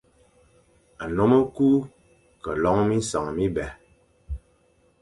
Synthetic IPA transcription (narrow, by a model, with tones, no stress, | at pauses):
a˨no˦mɔ˦ku˦ | kə˨lɔ˨˦ŋ˦mi˦n˦sa˨ŋ˨mi˦bɛ˨